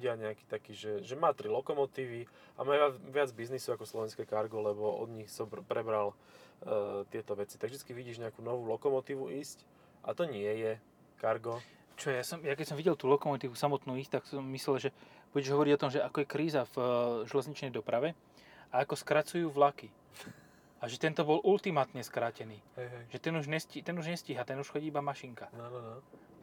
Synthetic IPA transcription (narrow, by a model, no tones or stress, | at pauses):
ɟɪaɲɛaki̥ːt̪akiːʒɛʒɛmaːt̪ɾilɔkɔmɔt̪iːʋi | a̰maːaʋɪad͡zbiznisɔakɔslɔʋɛnskɛkaɾɡɔlɛbɔɔ̰d̪ɲixsɔpɾɛbɾal | t̪ɪɛt̪ɔʋɛt͡si̥t̪aɡʒd̪i̥t͡skiʋiɟiːʒɲɛakuːnɔʋuːlɔkɔmɔt̪iːʋuʔiːsc | ʔat̪ɔɲɪɛjɛ | kaɾɡɔ | t͡ʃɔjasɔmjakɛcsɔmʋiɟɛlt̪uːlɔkɔmɔt̪iːʋusamɔt̪nuːiːst̪aksɔmːislɛlʒɛb̥uɟɛʒɦɔʋɔɾiɟɔt̪ɔmʒɛakɔjɛkɾiːzavʒɛlɛzɲit͡ʃnɛjd̪ɔpɾaʋɛ | aakɔskɾat͡sujuːʋlaki | aʒɛt̪ɛnt̪ɔbɔlʔult̪imat̪ɲɛskɾaːcɛniːʒɛt̪ɛnuʒɲɛscit̪ɛnuʒɲɛsciɦat̪ɛnuʃxɔɟiːibamaʃiŋkaan